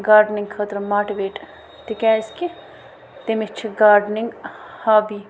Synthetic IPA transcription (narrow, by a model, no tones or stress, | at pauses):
ɡaːɾɖniŋɡkʰɐt̪ɾmaːʈiʋeːʈ | t̪ikɛːski | t̪emit͡ʃʰiɡaːɾɖniŋɡhaːbi